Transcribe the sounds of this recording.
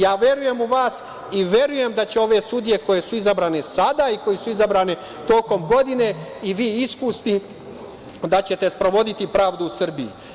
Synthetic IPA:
jaːʋje̞ɾuje̞muʋaːs | iʋje̞ɾuje̞md̪at͡ɕeo̞ʋe̞sud̪ije̞ko̞je̞suizabɾaːne̞sad̪aiko̞jesuizabɾaːne̞ | t̪o̞ːko̞mɡo̞d̪ine̞iʋiːiskusni | d̪at͡ɕe̞t̪e̞spɾo̞ʋo̞d̪it̪ipɾaːʋd̪uːsr̩bijḭ

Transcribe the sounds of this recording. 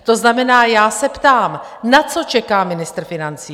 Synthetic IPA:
t̪o̞znamɛnaːjaːsɛpt̪aːm | nat͡so̞t͡ʃɛkaːmɪnɪst̪ɾ̩fɪnant͡siː

